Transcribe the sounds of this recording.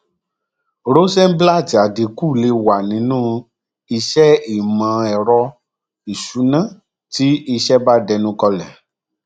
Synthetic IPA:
ɾo˦sɛ̃˦m̩˦bla˦˨ti˨a˨di˨ku˦˨le˧˦wa˨nĩ˨˦nũː˦ | i˧ʃɛ˦i˦˨mã˨˦ɛ˨ɾɔ˧ | i˨ʃu˨˦nã˦˨ | ti˦i˧ʃɛ˦ba˦dɛ˧nũ˧˦kɔ˧lɛ˨

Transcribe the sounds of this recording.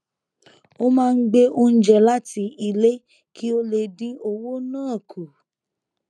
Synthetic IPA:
o˦mãː˦˧n̩˦ɡ͡be˦ʔo˧n̩˦d͡ʒɛ˨la˦ti˧i˧le˦ | kʰi˦o˧le˧dĩ˦o˧wo˦nãː˦˨kʰu˨

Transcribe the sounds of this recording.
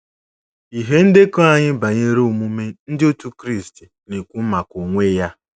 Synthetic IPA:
i˨ɦe˦n̩˦dɪ˦kɔ˦a˦ɲɪ˦ba˨ɲe˦ɾo˦o˨mu˦me˦n̩˦dɪ˦o˦tu˦kɾi˦˨sti˨ne˨kʷu˦ma˨kʷo˨ŋʷe˦ja˦

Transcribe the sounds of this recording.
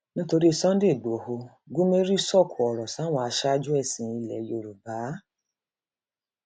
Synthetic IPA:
nĩ˦to˧ɾi˦i˧˨sɔ̃˦n̩˦de˦˨ɡ͡bo˨ho˧ | ɡu˦me˦ɾi˦sɔ˦˨kʰu˨ɔ˨ɾɔ˨sw̃ɔ̃˧a˧ʃa˦˧d͡ʒu˦ɛ˦˨sĩ˨˦i˧lɛ˨jo˨ɾu˨ba˨˦

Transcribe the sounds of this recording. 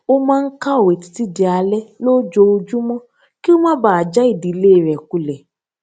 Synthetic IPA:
o˦mãː˦˧n̩˦ka˦o˨we˨ti̥˨ti˦˨di˧a˧lɛ˦lo˦d͡ʒo˧o˧d͡ʒu˦mɔ̃˦ | ki˦o˦mã˦baː˨a˨d͡ʒa˦i˦˨di˨˦le˦˨ɾɛ˨ku˨lɛ˨

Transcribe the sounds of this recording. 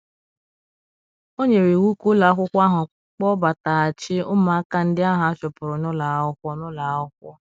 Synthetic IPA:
o˦ɲe˨ɾe˨wu˦ku˦la˨a˦kʷʊ˦kʷa˦ɦʊ˨ | k͡pɔ˦ba˨ta˨a˨t͡ʃɪ˦ʊ˦ma˨a˦ka˦n̩˦dɪ˦a˦ɦʊ˨a˦t͡ʃʊ˨pʊ˨ɾʊ˨nʊ˦la˨ʊ˦kʷɔ˦nʊ˦la˨ʊ˦kʷɔ˦

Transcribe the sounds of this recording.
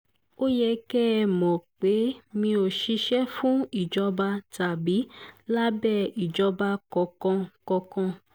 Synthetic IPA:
o˦jɛ˧kɛ˦˨mɔ̃˨k͡pe˨˦mĩ˧o˨ʃi˧ʃɛ˦fũ˦i˦˨d͡ʒɔ˧ba˧ta˨bi˨˦la˦bɛ˦˨i˨d͡ʒɔ˧ba˧kɔ̃˧kɔ̃˧kɔ̃˧kɔ̃˧

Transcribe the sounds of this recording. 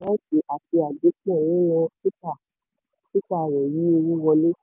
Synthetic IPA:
ã˦ti˨˧ʔa˨ti˧a˨du˨˦k͡pɛ̃˦˨lɛ˦jɔ˧ti˦ta˦˨ | ti˦ta˦˨ɾɛ˨ji˨˦o˧wũ˦wɔ˧le˦

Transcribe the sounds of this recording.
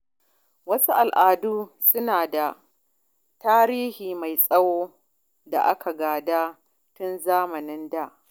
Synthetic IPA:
wɐ˦su˦ʔa˨lʔaː˨duː˦sʊ˦naː˨da˨ | taː˦ɾiː˦hiː˨ma˨jsʼɐ˦woː˦ | da̰˨ʔa̰˦kʰa˨ɡaː˨daː˦ | tʊ˦nzaː˦mɐ˨nɪ˦nda˦˨ʔ

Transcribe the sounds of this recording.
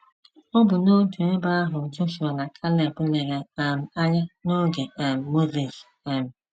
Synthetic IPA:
ɔ˦bʊ˨no˦tu˨e˦ba˦a˦ɦʊ˨n̩˨t͡ʃʊ˦ʃi˨ɾɔ˨na˨kʰa˦le˨kʊ˦le˨ɣe˨a˨m̩˨a˦ɲa˦no˦ɡe˨a˨m̩˨mo˦zi˨ʃ | e˦m̩˨

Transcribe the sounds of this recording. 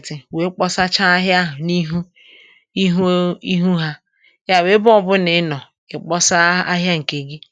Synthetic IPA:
tɪ˨we˨˦k͡pɔ˦sa˦t͡ʃa˦a˦ɦja˦ɦʊ˨ni˦ɦu˦ | i˦ɦi˦ɦu˦ɦa˦ | ja˦˨we˦bɔ˨bʊ˦nɪ˨˦nɔ˨ | ɪ˨k͡pɔ˦sa˦a˦ɦja˦ŋ̩˨ke˨ɡi˦

